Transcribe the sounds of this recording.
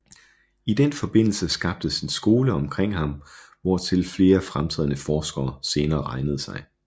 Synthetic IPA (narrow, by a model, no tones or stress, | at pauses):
id̥enfɒ̽b̥e̝n̰l̩səsɡ̥ɑ̈b̥̚d̥əsinsɡ̥o̝ːləɒ̽mkʰʁeŋ̰ɦɑ̈m | ʋɒt͡sʰe̝lfle̝ːɐfʁamt͡sʰɛ̰ð̰ˠnəfɒːsɡ̥ɐːse̝ːnɐːʁɑ̈ɪnəð̩ˠsɑ̈ɪ